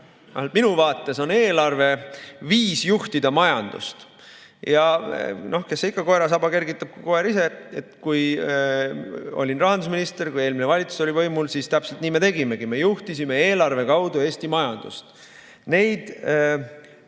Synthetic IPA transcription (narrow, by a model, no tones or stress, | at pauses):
ɑlt̪minuvɑːt̪ːˑe̞so̞ne̞ːlɑrve̞viːsjuht̪id̪̥ɑmɑjɑnd̪̥ṵst̪ | jɑno̞hke̞sːikːˑɑko̞eɾɑsɑbɑke̞rɡit̪ːˑɑb̥̚kuko̞eɾise̞ḛt̪kuj | o̰lʲinrɑɦɑnd̪us̬minist̪e̞rkuje̞ːlminevɑlʲit̪su̥so̞lʲivɤ̞jmulsiːst̪æpselt̪niːme̞t̪e̞ɡime̞ɡ̥ime̞juht̪isime̞e̞ːlɑrve̞kɑwd̪̥ue̞ːst̪imɑjɑnd̪̥ṵst̪ | ne̞jd̪̥